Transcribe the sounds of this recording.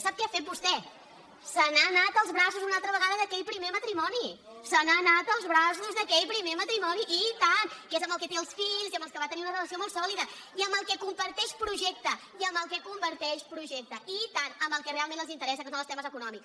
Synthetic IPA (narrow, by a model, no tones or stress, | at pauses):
sap̚kɛafet̪̚bust̪ɛ | sənanat̪əlˠzβɾasuzunalˠt̪ɾəβəɣaðəðəkɛʎpɾimemət̪ɾimɔni | sənanat̪əlˠzβɾasuzðəkɛʎpɾimemət̪ɾimɔniʔit̪anezəmbəlˠkɛt̪eəlˠsfiʎziəmbəlˠkəβat̪əniunərələsiomolˠsɔlˠiðəiəmbəlˠkɛkumpəɾt̪ɛʃpɾuʒɛk̚t̪ə | iəmbəlˠkɛkumbəɾt̪ɛʃpɾuʒɛk̚t̪əʔit̪anəmbəlˠkɛrealˠmẽnəzint̪əɾɛs̬əkosonəlˠst̪ɛməzəkunɔmiks